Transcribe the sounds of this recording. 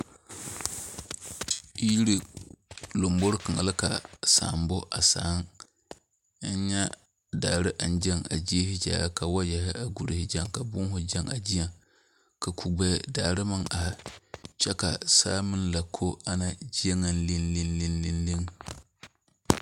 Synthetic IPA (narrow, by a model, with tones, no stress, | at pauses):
ji˦ɾi˨ | lo˨mbʊ˦ɾkɨ˨ŋa̰˨lɪ˦ka˨sa̰ː˨˦˨mbʊ˦ʔa̰˨saː˨˦ŋ˦ | n˦ɲa˦ | daː˨ɾɪ˦ʔa˨n˦d͡ʒɛ˦ŋa̰˨d͡ʒi˦e˦hɪ˦d͡ʒa̰ː˨a˦ka˨wa˦jɛ˨hɪ˦ʔa˨ɡu˨ɾhɪ˦d͡ʒa˦ŋka˨bʊ˦ŋ˦ɦʊ˦d͡ʒɛ˦ŋa̰˨d͡ʒi˦ja˦ŋ | ka˨kʰu˨ɡ͡bɛ˦˨daː˨ɾɨ˦ma˦ŋʔa˨hɪ˦˨t͡ʃɛ˦ka˨saː˦mɨ˦n˦la˨kʰo˦a˦na˦d͡ʒi˦a˦ŋa˦nli˦nli˦nli˦nli˦nli˦ŋ